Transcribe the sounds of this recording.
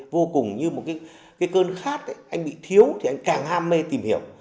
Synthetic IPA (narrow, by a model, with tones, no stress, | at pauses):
vo˧kʊ˨˩ŋ͡mɲɨ˧mo˨˩t̚kaː˨˦j | kaː˨˦jkəː˧nxaː˦˥k̚ʔə˨˦ʔa˧jŋ̟ɓḭ˧˨t̪ʰi˨˦əwt̪ʰi˨˩a˧jŋ̟kaː˨˩ŋhaː˧mːe˧t̪i˨˩mhi˧˩əw